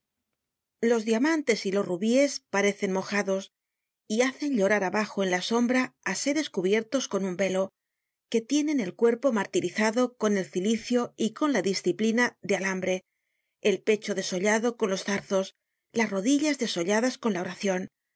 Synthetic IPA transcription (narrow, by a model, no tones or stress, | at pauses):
lo̞zðjamãnt̪e̞silo̞sruβie̞spaɾe̞θe̞nmo̞xaðo̞s | iaθe̞nʎo̞ɾaɾaβaxo̞e̞nlaso̞mbɾaːse̞ɾe̞skuβ̞je̞ɾt̪o̞sko̞numbe̞lo̞ | ke̞t̪je̞nẽ̞ne̞lkwe̞ɾpo̞maɾt̪iɾiθaðo̞ko̞ne̞lθiliθjo̞iko̞nlaðisθiplinaðealambɾe̞ː | lpe̞t͡ʃo̞ðe̞so̞ʎaðo̞ko̞nlo̞sθaɾθo̞s | lasro̞ðiʎazðe̞so̞ʎaðasko̞nlao̞ɾaθjo̞n